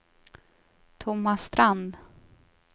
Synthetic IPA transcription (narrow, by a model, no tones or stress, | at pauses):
t̪ʰʊmːast̪ɾand̪